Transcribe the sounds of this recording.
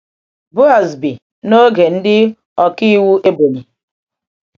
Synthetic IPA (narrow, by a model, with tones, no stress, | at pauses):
bʊ˦a˨zbi˨ | no˦ɡe˨n̩˦dɪ˦ | ɔ˨ki˦wu˦ʔe˦bo˨li˨